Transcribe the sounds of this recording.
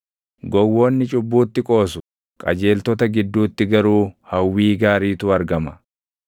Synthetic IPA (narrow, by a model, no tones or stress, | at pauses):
ɡɔwːo̞ːnːɪt͡ʃʼʊbːuːt̪ːɪkʼo̞ːsʊ̥ | kʼɐ̰d͡ʒe̞ːlt̪ɔt̪ɐɡɪd̪ːuːt̪ːɪɡɐɾuːhɐwːiːɡaːɾiːt̪ʊɐɾɡɐmɐ̥